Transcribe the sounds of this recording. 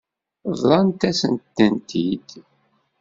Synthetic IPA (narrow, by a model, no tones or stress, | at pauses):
ðːˤɑnt̪æsənt̪ːənt̪ʰid̪̥